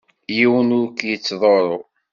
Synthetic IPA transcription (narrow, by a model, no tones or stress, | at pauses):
jiwənʊɾkjət͡sːðˤoɾˤo